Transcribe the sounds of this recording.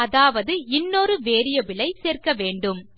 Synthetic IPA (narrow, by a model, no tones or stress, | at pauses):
ɐðaːʋɐðɯɪnːoːɾɯʋeːɾɪjɐʋɪɭɐɪseːrkɐʋeːɳɖɯm